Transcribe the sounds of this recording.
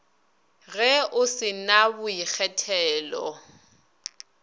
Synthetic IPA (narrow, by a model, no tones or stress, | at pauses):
ɣɛʊsɪnabʊik͡xʰɛtʰɛːlɔ